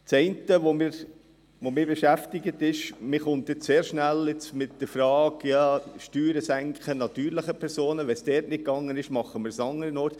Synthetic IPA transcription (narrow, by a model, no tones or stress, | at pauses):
t͡sɛɪntəʋomɪːɾ | ʋomɪːɾbɛʃæftɪɡət̪ɪʃmɪχʊnt̚dɪtseːɾʃnælɪt͡smɪt̚d̥əɾfɾɑːkjɑʃtyːɾəsæŋkχənɑt̪yːɾlɪχəpʰɛɾsoːnəʋɛnsd̥ɛːtnɪt̚kɑŋːənɪʃmɑχːəmɪːɾsɑŋːəɾənoːt